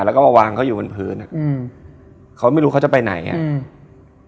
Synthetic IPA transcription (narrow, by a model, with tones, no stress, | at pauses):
lɛː˦˥wkɔ˥˩a˧waː˧ŋkʰa˦˥wjuː˨˩a˧npʰɯː˦˥na̰˨˩ʔ | kʰa˦˥wma˥˩jɾuː˦˥ka˦˥t͡ɕa˨˩pa˧jna̰˨˩˦ja̰˧